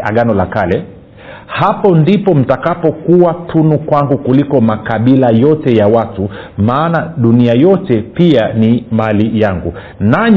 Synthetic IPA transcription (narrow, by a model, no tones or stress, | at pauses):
a̰ɡanɔlakalɛ | hapɔndipɔm̩takapɔkuwatʰunukwaŋɡukulikɔmakaɓilajɔtɛjawatu | maːnaɗuniajɔtɛpianimalijaŋɡu | naɲ